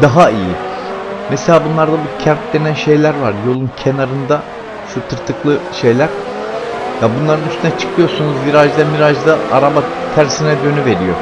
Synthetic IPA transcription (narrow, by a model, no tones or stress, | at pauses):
d̪aɦaiji | meselʲaːbunlˠaɾd̪abucʰæɾt̪̚d̪e̞nænʃe̞jlʲæɾvaɾjo̞lˠuncʰe̞naɾɯnd̪a | ʃut̪ʰɯɾt̪ʰɯklˠɯʃe̞jlʲæɾ | jabunlˠaɾɯnyst̪ʰynɛt͡ʃʰɯ̥kʰɯjo̞sunuzmiɾad͡ʒd̪amiɾad͡ʒd̪aa̰ɾabat̪ʰæɾsinɛd̪ø̞nyve̞ɾijo̰